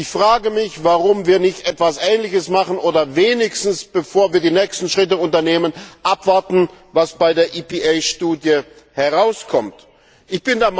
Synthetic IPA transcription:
ʔɪçfʁ̥aːɡəmɪçvaʁʊmviːɐnɪçtʔɛtv̥asʔɛːnlɪçəsmaχən̩ʔoːdɐveːnɪçstn̩sb̥əfoːɐviːɐdiːnɛːkstn̩ʃʁ̥ɪtəʊntɐneːmənʔapv̥aɐtn̩vasb̥aɪdeːɐʔiːpeʔaɪʃtuːdjə | hɛɐʁaʊskʰɔmt | ʔɪçb̥ɪndeːɐm

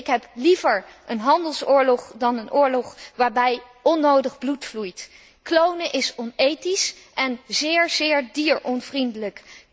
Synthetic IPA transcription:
ɪkɦɛplivəɹʔənɦɑndəlˠsʊːɹlɔχdɑnənʔʊːɹlɔχʋaːɹbɛj | ɔnːowdəχblutflujt | klownəʔɪsɔnejtisʔɛnzɪːɹzɪːɹdiːɹɔnvrindələk

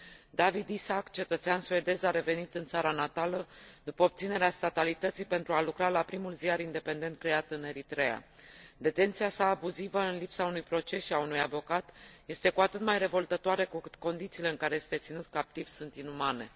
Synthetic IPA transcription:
d̪avid̪isakt͡ʃe̞t̪ət̪seansue̞d̪e̞zaɾe̞ve̞nit̪ɨnt̪saɾanat̪aləd̪upəop̚t̪sine̞ɾeast̪at̪alit̪ət̪sijpent̪ɾualukɾalapɾimulziaɾind̪e̞pe̞nd̪e̞nt̪̚kɾe̞at̪ɨne̞ɾit̪ɾe̞a̰d̪e̞t̪e̞nt̪siasaːbuzivəɨnlipsaunujpɾo̞t͡ʃe̞ʃiaunujavo̞kat̪je̞st̪e̞kuat̪ɨt̪majre̞vo̞lt̪ət̪oaɾe̞kukɨt̪ko̞nd̪it̪siːle̞ɨŋkaɾe̞je̞st̪e̞t̪sinut̪̚kap̚t̪iv̥sunt̪inumane̞

